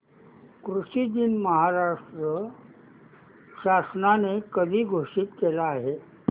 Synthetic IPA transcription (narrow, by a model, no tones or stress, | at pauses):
kɾuʂid̪inməɦaɾaʂʈɾə | ɕasnanekəd̪ʱiːɡʱoʂiːt̪kelaːɦe